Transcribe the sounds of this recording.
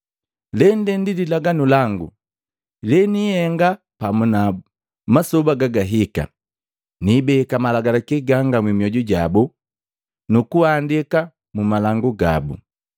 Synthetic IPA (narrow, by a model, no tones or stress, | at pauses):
lɛndɛndililaɡanulaŋɡṵ | lɛnihɛŋɡa | pamuna | masɔbaɡaɡaɦika̰ | nibɛkamalaɡalakiɡaŋɡamwimiɔɟuɟa̰bu | nukuandika | mumalaŋɡuɡa̰bṵ